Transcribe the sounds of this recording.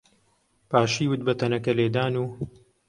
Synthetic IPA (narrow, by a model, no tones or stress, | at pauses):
paːʃiːwʊt̪̚bɐt̪ʰɐnɐkɐleːd̪aːnuː